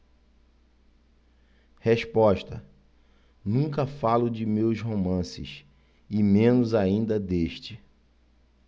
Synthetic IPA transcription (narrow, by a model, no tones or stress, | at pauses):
heʃpɔʃt̪ɐ | nũŋkɐfalʊd͡ʒɪmewsɦomɐ̃sɪ̰ʃ | ɪmẽnʊzaĩnd̪ɐd̪eʃt͡ʃɪ